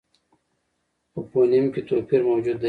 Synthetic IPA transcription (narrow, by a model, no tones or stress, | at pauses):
ɐpoːnimkit̪oːpʰiɾmoːd͡ʑud̪ːɐ